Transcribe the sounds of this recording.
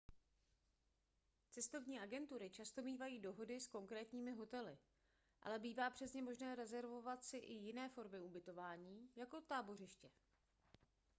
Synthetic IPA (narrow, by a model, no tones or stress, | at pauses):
t͡sɛst̪o̞vɲiːʔaɡɛnt̪uɾɪt͡ʃast̪o̞miːvajiːdo̞ɦo̞dɪsko̞ŋkɾɛːt̪ɲiːmɪɦo̞t̪ɛlɪ | ʔa̰lɛbiːvaːpr̥ɛsɲɛmo̞ʒnɛːɾɛzɛɾvo̞vat̪sɪʔɪjɪnɛːfo̞ɾmɪubɪt̪o̞vaːɲiːjako̞t̪aːbo̞r̝ɪʃcɛ